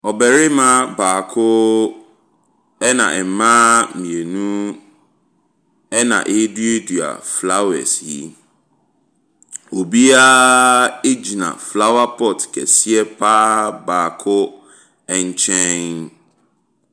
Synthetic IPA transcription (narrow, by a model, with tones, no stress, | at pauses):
ɔ˨bɛ˨ɾɪ˦mã˦baː˨kʰʊ˦ | ɛ˦nã̰˨ʔɛ˨m˨mã˦mĩ˨e˨nũ˦ | ɛ˦nã̰˨ʔe˦dui˦e˦du˨a̰˨fla˦wɛ̰˨si˦ | o˨bi˦a˦ | e˦d͡ʑi˨nã̰˨fla˦wa˦pʰɔ˨tkʰɛ̰˨si˦ɛ˦pʰaː˦baː˨kʰʊ˦ | ɛ˨ɲ̩˦t͡ɕʰɛ̃˦n